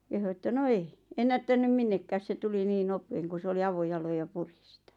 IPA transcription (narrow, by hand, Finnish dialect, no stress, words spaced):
kehu etːæ no ei enːætːænym minːekːæːs se tuli niːn nopeːŋ ku s oli ɑʋojɑloj jɑ puri sĭtæ̥